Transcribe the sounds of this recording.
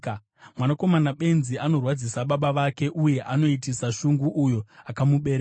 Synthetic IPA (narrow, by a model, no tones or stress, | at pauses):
mwanako̞manaɓe̞nziano̞rwad͡zisaɓaɓaʋake̞ʔuje̞ʔano̞itisaʃuŋɡuʔujo̞akamuɓeɾe